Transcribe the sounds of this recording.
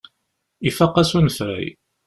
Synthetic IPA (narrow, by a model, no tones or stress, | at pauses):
ifɑqːɑsunəθɾæ̰j